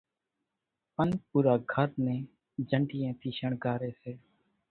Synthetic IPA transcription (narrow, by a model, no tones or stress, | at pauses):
ənp̚uːɾaːɡʱəɾnẽː | d͡ʒʱəɳɖɪːẽːt̪ʰiːʃəɳɡaːɾeːseː